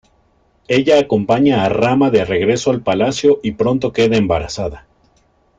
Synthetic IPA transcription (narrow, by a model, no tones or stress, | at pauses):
e̞ʝaːko̞mpaɲaːramaðe̞re̞ɣɾe̞so̞alpalasjo̞ʔipɾo̞nt̪o̞ke̞ðaembaɾa̰saða